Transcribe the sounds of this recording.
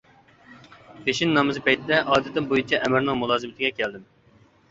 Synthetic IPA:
pʰeʃinːɑmɨzɨpɛjt̪ʰɪd̪ɛʔɑːd̪ɪt̪ːɪnbojut͡ʃʰɛʔɛmɪɾnɪŋmulˠɑːzɨmɪt̪ɪɡʲɛkʲʰɛld̪ɪm

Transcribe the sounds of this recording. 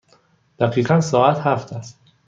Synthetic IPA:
d̪̥æɡiːɢænsɒːæt̪hæft̪ʰæst̪

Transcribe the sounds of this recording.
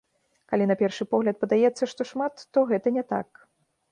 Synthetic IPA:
kalʲinɐpʲɛrʂɨpɔɣlʲɐt̪̚pɐd̪ajɛt̪sːɐʂt̪ɔʂmat̪ːɔɣɛt̪ɐnʲɛt̪a̰k

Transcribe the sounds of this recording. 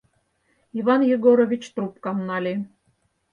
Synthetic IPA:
iβɑnjeɡoɾovʲit͡ɕt̪rupkɑmnɑlʲi

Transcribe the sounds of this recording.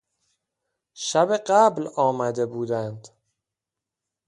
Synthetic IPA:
ʃæbeɢæblɒːmæd̪e̞buːd̪ænd̪

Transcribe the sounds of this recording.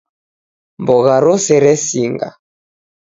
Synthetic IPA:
mbɔɣaɾɔsɛɾɛsiŋɡa̰

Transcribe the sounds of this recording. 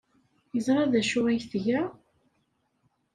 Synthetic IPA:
jəzˤɾˤɑðæʃuwæçθʝæ

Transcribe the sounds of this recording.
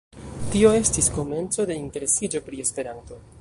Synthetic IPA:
tio̞e̞stisko̞me̞nt͡so̞de̞inte̞ɾe̞sid͡ʒo̞pɾie̞spe̞ɾanto̞

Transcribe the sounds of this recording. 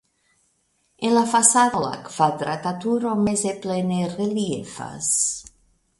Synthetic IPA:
enlafasaðla̰kv̥ad̪ɾat̪at̪uɾomezeplenereliiefa̰s

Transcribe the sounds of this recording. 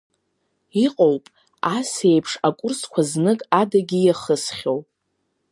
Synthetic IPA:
iqʼowpʼ | ase̞jpʰʂakʷʼʊrskʷʰaznɨkʼadaɡʲijaχəsχʲowpʼ

